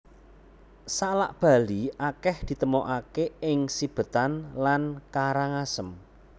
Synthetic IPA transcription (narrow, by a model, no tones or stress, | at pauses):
sala̰ʔb̥a̤liʔakɛhd̪̥i̤t̪əmoʔakeɪŋsib̥ə̤t̪anlankaɾaŋasəm